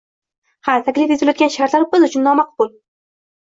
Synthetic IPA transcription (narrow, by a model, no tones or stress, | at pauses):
hat̪ʰakʲlɪfezɪlajɒt̪ɡʲanʃahɾt̪laɾbɪzʊt͡ʃʰʊnːɒmaqbʊl